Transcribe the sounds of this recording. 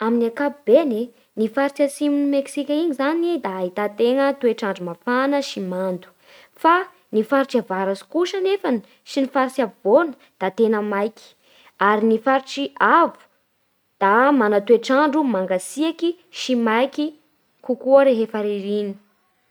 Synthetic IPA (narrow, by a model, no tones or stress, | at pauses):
aminiakapub̥ene | nifaɾit͡ʃasimunimeksikʲaiɲizaned̪aaɦit̪at̪eŋət̪ueʈ͡ʂaɳɖ͡ʐumafanəʃimand̪u̥ | fa | nifaɾiʈ͡ʂiavaɾasi̥kuʃənefani̥ | ʃinifaɾisiavvonə̥ | d̪̥at̪enəmajki̥ | aɾinifaɾiʈ͡ʂiavu̥ | d̪̥amanat̪ueʈ͡ʂaɳɖ͡ʐumaŋɡasiaki | ʃimajkʲi | kukuəɾeɦefaɾiɾini̥